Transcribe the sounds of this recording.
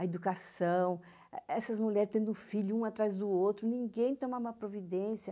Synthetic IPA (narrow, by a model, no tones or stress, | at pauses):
ɐed̪ukasɐ̃w̃ | ɛsɐzmuʎɛɾst̪ẽnd̪ʊ̃ʊfiʎʊũat̪ɾajzd̪ʊowt̪ɾʊnĩŋɡẽj̃t̪õmaumɐpɾovid̪ẽsiɐ